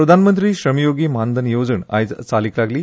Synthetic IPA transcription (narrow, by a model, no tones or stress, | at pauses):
ɾəd̪ʱanmənt̪ɾiːɕɾəmijoɡiːmand̪ʱənjod͡zəɳa̰jt͡saliklaɡliː